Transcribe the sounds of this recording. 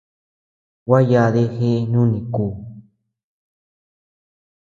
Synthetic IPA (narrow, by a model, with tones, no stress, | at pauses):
wʷa˦ja˧ðe˧xe˦ʔnũ˦nĩ˨kuː˧˨